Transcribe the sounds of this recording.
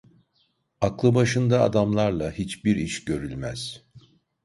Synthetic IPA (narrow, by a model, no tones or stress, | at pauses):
aklˠɯbaʃɯnd̪aa̰d̪amlˠaɾlˠahit͡ʃbiɾiʃɟø̞ɾylʲmæ̰z̥